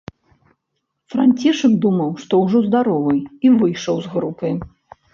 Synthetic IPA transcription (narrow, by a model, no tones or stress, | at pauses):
fɾanʲt͡sʲiʂɨɡd̪umɐwʂt̪ɔwʐɔzd̪aɾɔvɨjivɨjʂɐwzɣɾupɨ